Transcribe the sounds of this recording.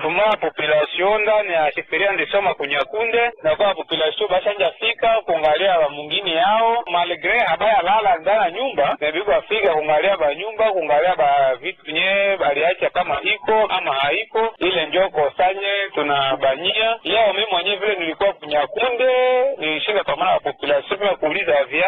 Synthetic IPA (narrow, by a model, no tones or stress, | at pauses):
fumaapɔpilaʃiɔndanɛaʃifiɾiandisɔmakuɲakundɛnakuaapɔpilaʃiɔbaʃaɲd͡ʒafikakuuŋɡaliabamuŋɡiniaɔmalɛɡɾɛhabaɛalalandanaɲumbanɛbikuafikakuŋɡaliabaɲumbakuŋɡaliabavitɛɲɛbaliat͡ʃiakamaʔikɔamahaikɔilɛɲd͡ʒɔkɔsaɲɛtunabaɲialɛɔmimwɛɲɛvilɛnilikuakuɲakundɛniʃindapamanabapɔpilasiɔpɛmɛkuːlizaavia